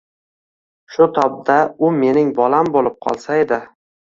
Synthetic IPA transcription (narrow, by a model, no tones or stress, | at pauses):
ʃʊt̪ʰɒb̚d̪aʊme̞nɪŋbɒlambolɪp̚qʰɒ̰lˠsae̞d̪ɪ